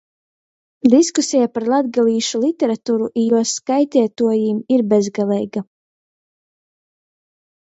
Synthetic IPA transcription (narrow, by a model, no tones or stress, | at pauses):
d̪iskusijapaɾlˠad̪ɡaliːʃulˠit̪ʲɛɾat̪uːɾuʔijuɔskajt̪ʲɛɛt̪uɔjiːmiɾbɛzɡalˠɛjɡa